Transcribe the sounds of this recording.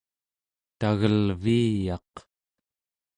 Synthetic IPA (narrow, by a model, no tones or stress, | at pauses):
t̪aɣəlviːjɑ̰q